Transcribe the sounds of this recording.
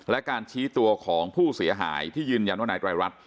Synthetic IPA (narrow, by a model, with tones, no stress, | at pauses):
lɛ˦˥ʔkaː˧nt͡ɕʰiː˦˥t̪u˧ɐkʰɔː˩˦ŋpʰuː˥˩si˩˦ɐɦa̰ː˩˦jt̪ʰiː˥˩jɯː˧nja˧nwaː˥˩aː˧˦j̪̚ɾaː˧ɾa˦˥t̪̚